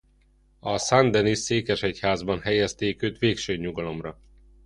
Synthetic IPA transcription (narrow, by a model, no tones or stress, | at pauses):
ɒsand̪ɛniseːkɛʃɛchaːzbɒnhɛjɛst̪eːkøːt̪ʋeːkʃøːɲːuɡɒlo̞mrɒ